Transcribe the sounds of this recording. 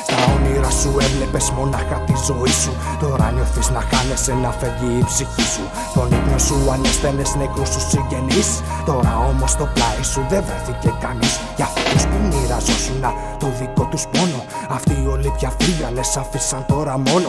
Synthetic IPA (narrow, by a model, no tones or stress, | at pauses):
t̪ɐoniɾɐsuevle̞pe̞zmo̞nɐxɐt̪izo̞isu | t̪o̞ɾɐ̰noθiznɐxɐne̞senɐfeliːpsiçisu | t̪o̞niknosuɐnesθe̞nesnekususiɲɟe̞nis | t̪o̞ɾɐo̞mo̞st̪o̞plɐisuðevɾeθice̞kɐnis | cɐftot̪uspumiɾɐzosunɐ | t̪oðiko̞t̪uspo̞no | ɐft̪iːo̞lipçɐfɾiʝɐle̞sɐfisɐnt̪o̞ɾɐmo̞no